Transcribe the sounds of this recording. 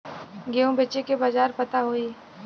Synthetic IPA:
ɡeːõũbeːt͡ʃekebad͡ʒaːɾpɐt̪aɦoiː

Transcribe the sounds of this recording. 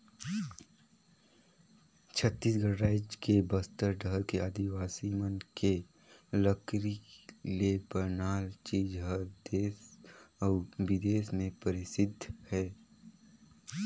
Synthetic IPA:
t͡ʃʰət̪ːiːsɡəɾːaːɪd͡ʒkebəst̪əɾɖʱəɾkead̪iʋaːsimənke | ləkɾilebənaːlt͡ʃiːd͡ʒɦəɾd̪eːsɔːʋɪd̪eːsmẽpəɾɪsɪd̪ʱhɛː

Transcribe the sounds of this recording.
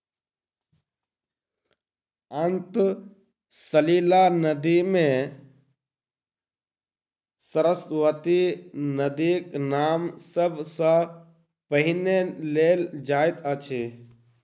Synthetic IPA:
ənt̪ | səlilanəd̪imẽ | səɾəsʋət̪inəd̪iknamsəbʱsə̃ | pəɦineleld͡ʒaet̪ət͡ʃʰe

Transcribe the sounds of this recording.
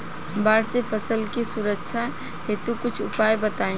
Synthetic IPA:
baːɽsepʰəsəlkesʊɾəkʃʰa | het̪ukʊt͡ʃʰʊpaːjbət̪aːĩ

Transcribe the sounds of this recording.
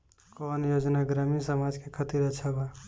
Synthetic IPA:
kɔːnjoːd͡ʒnaɡɾaminsəmad͡ʒkekʰət̪iɾət͡ʃʰaba

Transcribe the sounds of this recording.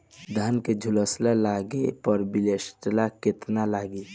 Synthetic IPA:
d̪ʱaːnked͡ʒʱuləslalaːɡepəɾbilesʈlaket̪nalaːɡi

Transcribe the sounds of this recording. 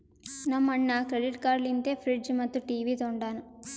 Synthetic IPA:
nɐmːɐɳːɐkɾeɽiʈkaːɾlint̪eːpʰɾiɖd͡ʒmɐt̪ːuʈiːʋiːt̪oɳɖaːnu

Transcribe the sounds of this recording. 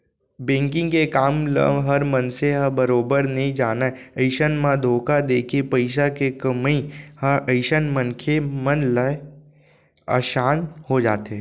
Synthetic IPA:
bẽːŋkɪ̃ŋɡkekaːmlə̰ɦɐɾmənseɦə̃bəɾoːbəɾnɐɦĩd͡ʒaːnaəɪʃənmãd̪ʱoːkad̪eːkʰepɐɪʃ̬akekəmihʔəɪʃənmənkʰemənlə | ə̰ʃaːnhod͡ʒaːt̪ɦɛ

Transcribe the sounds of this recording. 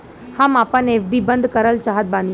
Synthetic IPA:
hamaːpənefɖiːbənd̪ʱkəɾəlt͡ʃaːɦət̪̚bãn

